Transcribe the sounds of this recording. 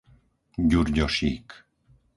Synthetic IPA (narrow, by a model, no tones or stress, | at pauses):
ɟuɾɟɔʃiːk